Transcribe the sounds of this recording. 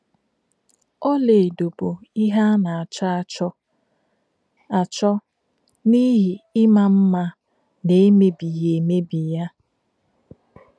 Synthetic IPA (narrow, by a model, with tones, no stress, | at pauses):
ɔ˦le˨do˨bo˨i˦ɦa˦na˨a˨t͡ʃa˦a˨t͡ʃɔ˦ | a˨t͡ʃɔ˦ | ni˦ɦi˨ɪ˦ma˦˨m̩˦ma˦ | ne˨e˦me˨bi˨je˨me˦bi˨ja˦